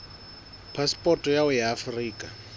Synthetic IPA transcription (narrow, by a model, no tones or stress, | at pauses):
pʰaspʼɔtʼɔjaʊjaːfriːkʼa